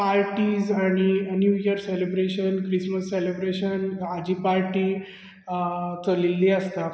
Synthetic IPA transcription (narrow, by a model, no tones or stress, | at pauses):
paɾʈiːzaɽ̃injujəɾselebɾeɕənkɾisməsːelebɾeɕənad͡ʑiːpaɾʈiː | t͡səlilːiəst̪a